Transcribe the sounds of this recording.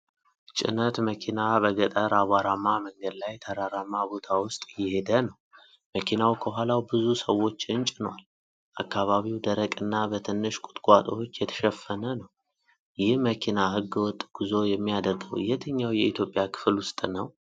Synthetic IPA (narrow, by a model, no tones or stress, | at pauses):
t͡ʃʼɪ̰nət̪məkʰinabəɡət̪ʼəɾʔaβaɾamːaməŋɡəd̪lajt̪ʰəɾaɾamːabo̞t̪ʰawʊst̪ʼjɪhed̪ənəw | məkʰinawkʰəɦʷalawbɨzusəwːo̞t͡ʃːɪnt͡ʃʼɪnwal | ʔakːaβaβiwd̪əɾəkʼɨnːabət̪ʰɨnːɨʃkʼʊ̥t̪ʼkʼat̪ʼot͡ʃːjɛt̪ʰə̥ʃɛfːənənəw | jɪhməkʰinahɨɡːɨwɔt̪ʼːɡ̥uzo̞jɛmːijad̪əɾɡəwɨ̰jɛt̪ʰəɲːawjɛit̪ʰjo̞pʼjakʰɨ̥flwʊst̪ʼnəw